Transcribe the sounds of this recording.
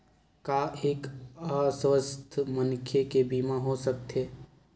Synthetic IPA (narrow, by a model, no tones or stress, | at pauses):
kaeːkaːsʋəst̪ʰmənkʰekebiːmaɦosək̚t̪ʰeː